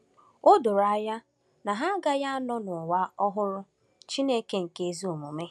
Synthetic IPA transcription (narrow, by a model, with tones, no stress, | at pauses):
o˦do˨ɾa˨ja˦ | na˨ɦa˦ɡa˦ja˦a˦nɔ˦nʊ˨wa˦ɔ˦ɦʊ˦ɾʊ˦ | t͡ʃi˦ne˦ke˦ŋ̩˨ke˨zi˦o˨mo˨me˦